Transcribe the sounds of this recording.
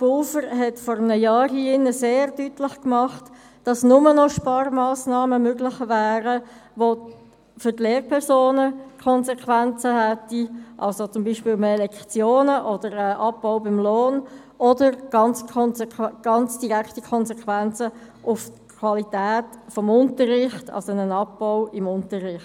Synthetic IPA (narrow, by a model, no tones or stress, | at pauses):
pulfəɾɦɛtfɔːɾəmnəjɑːɾhiɪnːəseːrd̥ytlɪχkmɑχt | d̥ɑsnʊmənɔʃpɑːrmɑːsnɑːməmøɡlɪχvæːɾəʋo | fʏdleːrpʰɛɾsoːnəkʰɔnzɛkʰʋænt͡səhɛtiʔɑ̰lsot͡sʊmbiːʃpɪːlmːlɛkt͡sjoːnəʔɔdəɾəʔɑpːɔʊbɪmloːn | ɔdəɾɡ̥ɑnt͡sʰnɡ̥ɑnt͡sd̥iʁækʰtikʰɔnsɛkʰʋænt͡sə | ʔʊftkʰwɑlitɛːtfɔmʊntərːɪχtɑ̰lsonənɑpːɔwɪmʊntərɪχt